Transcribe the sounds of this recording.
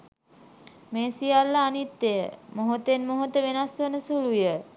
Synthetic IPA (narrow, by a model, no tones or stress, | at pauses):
meːsijalːaːnit̪ːejəmoɦot̪enmoɦot̪əʋenasʋənəsulujə